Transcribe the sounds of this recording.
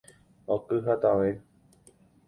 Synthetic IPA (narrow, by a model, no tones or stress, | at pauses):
okɨɦat̪aʋe